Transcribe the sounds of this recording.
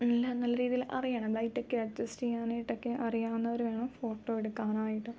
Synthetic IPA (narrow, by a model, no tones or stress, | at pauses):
nilːɐnɐlːɐɾiːðijilʔɐ̰rijaːɳɐɨbɭɐjʈːo̞kːeɐd͡ʑɐstijaːnɐjiʈːo̞kːeʔɐrijaːunːɐʋɐɾuʋe̞ːɳɐmfo̞ːʈːo̞ːeɽukːaːnaːjiʈːɨ